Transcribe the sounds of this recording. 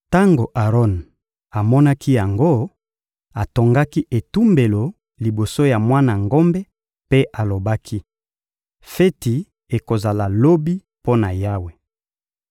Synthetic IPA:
ta˦ŋɡo˨ʔa˨ʁɔ˦n | a˨mɔ˦na˦ki˦ja˨ŋɡo˦ | a˨to˨ŋɡa˦ki˦ʔe˨tu˦mbe˨lo˨ | li˨bo˨so˦ja˨mwa˦na˨ŋɡo˦mbɛ˦ | pe˦ʔa˨lo˨ba˦kʰi˦ | fe˦ti˨ | e˨ko˨za˨la˨lo˦bi˦ | po˦na˨ja˦we˨

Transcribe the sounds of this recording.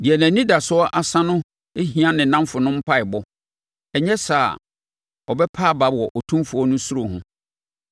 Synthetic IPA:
di˨ɛ˨næ̃˨nĩ˦da˨sʊ˦ɔ˦ʔa˨sã˦nʊ̃˦ | e˦ɦĩ˨ã˦nɪ̃˨nã˦mfʊ˨nʊ̃˦m̩˦pʰa˦ɪ˨bɔ˦ | ɛ˨ɲɛ̃˦sa˨ | ɔ˨bɛ˦pʰaː˦˨ba˨bɔ˨ʔɔ˨tʰũ˦mfʊ˨ɔ˦nʊ̃˦su˦ɾo˨hʊ̃˦

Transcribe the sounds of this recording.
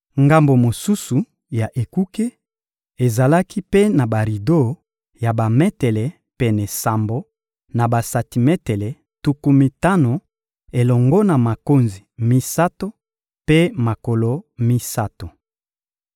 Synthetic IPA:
ŋɡa˦mbo˨mo˨su˦su˨ | ja˨ʔe˨ku˦ke˦ | e˨za˨la˦ki˦pe˦na˨ba˨ʁi˨do˦˨ | ja˨ba˨mɛ˦tɛ˨lɛ˨ | pɛ˨nɛ˨sa˨mbo˨ | na˨ba˨sa˨ti˨mɛ˦tɛ˨lɛ˨ | tu˨ku˦mi˨ta˦no˨ | e˨lɔ˨ŋɡɔ˦na˨ma˨ko˦nzi˨mi˦sa˦to˦ | pe˦ma˨ko˨lo˨mi˦sa˦to˨

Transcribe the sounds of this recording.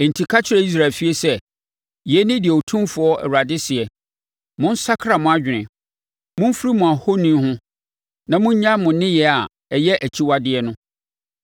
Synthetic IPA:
n̩˨tʰi˨kʰa˦t͡ɕʰɪ˦ɾɛ˦i˦s̬ɾaː˨lfi˦e˦sɛ˦ | jɛ˨˦nɪ̃˦dɪ˨ɛ˨o˨tʰũ˦mfʊ˨ɔ˦ɛ̰˨ɾa˨dɪ˦sɪ˨ɛ˨ | mʊ̃˦n̩˦sa˦kʰɾa˨mʊ̃˦a˦d͡ʑᶣɪ˨nɪ̃˨ | mʊ̃˦m˦fɾi˦mʊ̃˨a˨ho˦nĩ˦hʊ̃˦ | nã˨mʊ̃˦ɲ˦ɲã˦mʊ̃˨nɪ̃˦jɛ˨a˨ | ɛ˨jɛ˦ʔæ˨t͡ɕʰi˦wa˦dɪ˨ɛ˦nʊ̃˦

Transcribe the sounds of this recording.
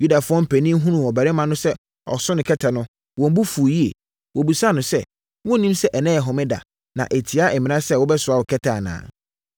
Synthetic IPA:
ju˦da˨fʊ˦ɔ̃˦m̩˨pʰæ˨nĩ˦m̩˦ɦũ˦nũ˨ɔ˨bɛ˨ɾɪ˦mã˦nʊ̃˦sɛ˦ | ɔ̰˨sʊ̃˦nɪ̃˨kʰɛ˦tʰa˨nʊ̃˦ | wɔ̃˨m˦bu˦fu˨ji˦ḛ˨ | wo˨bu˨sa˦nʊ̃˨sɛ˦ | wɔ̃˦˨nĩ˦msɛ˦ʔɛ˨nɛ̃˦˨ɛ˨ɦɔ̃˨mɪ̃˦da̰˨ | nã̰˨ʔe˨tʰi˨a˦ʔɛ˨mɪ̃˨nã˦sɛ˦wɔ˦bɛ˦sʊ˨a˦wʊ˨kʰɛ˦tʰa˨nã̰ː˨

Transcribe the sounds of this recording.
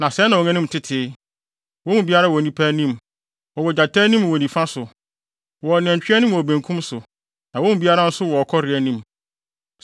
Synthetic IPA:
nã˨sɛ˨˦nã˨ɔ˨ŋɛ̃˦nĩ˦m˨tʰɪ˦tʰɪ˦ | wɔ̃˦mũ˨bi˦a˦ɾa˦wɔ˨nĩ˦pʰæ˦nĩ˦m | wɔ˨wɔ˨d͡ʑa˨tʰɛ˦nĩ˦m˨wɔ˨nĩ˨fã˦sʊ˨ | wɔ˨nɪ̃˨ɛ̃˨ɲt͡ɕᶣɪ˦æ˦nĩ˦m˨wɔ˨bæ̃˨ŋkʰũ˦msʊ˨ | nã˨wɔ̃˦mũ˨˦bi˦a˦ɾa˦n̩˦sʊ˦wɔ˨ɔ˨kʰɔ˦ɾɪ˨æ˦nĩ˦˨m

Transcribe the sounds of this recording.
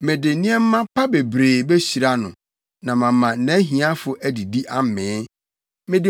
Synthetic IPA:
mɪ̃˨dɪ˨nĩ˦ɛ˦m̩˦mã˦pʰa˦be˨bɾeː˨be˦ɕi˨ɾa˦nʊ̰̃˨ | nã˨mã˨mã˨˦nɛ̃˨˦ɦĩ˨a˦fʊ˨ʔæ˦di˨di˦ʔa˦m˨mɪ̃ː˨˦ | mɪ̃˦dɪ˦˨

